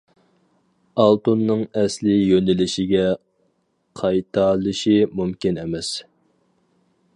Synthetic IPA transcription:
ɑlˠt̪unːɨŋɛslɪjønɪlɪʃiɡʲɛ | qʰɑjt̪ʰɑlˠɨʃimumkʲinmɛs

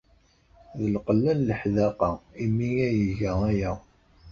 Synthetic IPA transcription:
ðəlqəlːænləħðæqɑimːijæjəʝææjæ

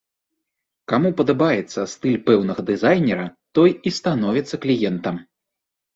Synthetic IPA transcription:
kamupɐd̪abajɛt̪sːɐst̪ɨlʲpɛwnɐɣɐd̪ɨzajnʲɛɾɐt̪ɔjist̪anɔvʲit̪sːɐklʲijɛnt̪ɐm

